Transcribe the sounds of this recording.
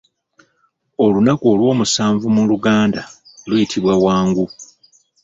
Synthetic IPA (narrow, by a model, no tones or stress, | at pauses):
o̞lunakuo̞lwo̞ːmusaːɱvumuluɡaːnda | lujitʰiβwawaːŋɡu